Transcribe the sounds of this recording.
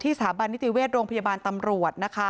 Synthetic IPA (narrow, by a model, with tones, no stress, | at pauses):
t̪ʰiː˥˩sʰaː˩˦ba˧nːi˦˥t̪i˨weː˥˩t̪̚ɾoː˧ŋpʰajaː˧baː˧nt̪a˧mɾu˨˩ət̪̚na˦˥kʰa˦˥